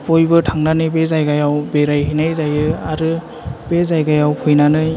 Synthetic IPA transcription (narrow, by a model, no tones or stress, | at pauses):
pʰɔjbɯtʰaŋnanɯbezajɡajawbeɾajɦinajzajɯaɾɯ | bezajɡajawpʰɯjnanɯ